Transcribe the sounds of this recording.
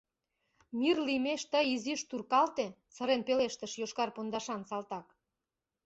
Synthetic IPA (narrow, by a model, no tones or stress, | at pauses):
mirlimeʃt̪əjiziʃt̪urkɑlt̪e | səɾenpeleʃt̪ə̆ʃjoʃkɑrpond̪ɑʃɑnsɑlt̪ɑk